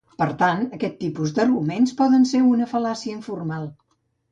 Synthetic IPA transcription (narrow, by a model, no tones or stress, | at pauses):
pəɾt̪anəkɛt̪ːipuzd̪ərɣumenspɔðənseɾunəfəlasiəiɱfurmalˠ